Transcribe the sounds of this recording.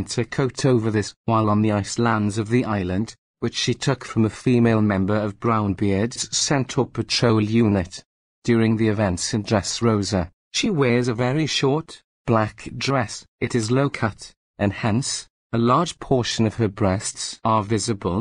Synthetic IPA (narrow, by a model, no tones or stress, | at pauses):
ntʰəkʰoʊɾʰoʊvə˞ðɪswaɪlˠə̃nðiaɪslãndzʌvðiʔaɪlˠə̃nd | wɨt͡ʃʃitʰʊkfɹə̃məfimeɪlˠmɛ̃mbə˞əvbɹãʊ̃nbɪɹdz̥sɛ̃ntʰʊpʰətʰɹ̥oʊlˠjʉnɪt | d̥jɔːɹɪ̃ŋðiɨvɛ̃ntsɨ̃dɹɛsɹoʊzə | ʃiwɛɹzəvɛɹiʃɔɹt | b̥lakdɹɛsɨɾɨzloʊkʰʌt | ʔɨ̃nhɛ̃ns | əlɑɹd̥d͡ʒ̥pʰɔɹʃə̃nʌv̥əbɹɛstsəvɪzɨbəlˠ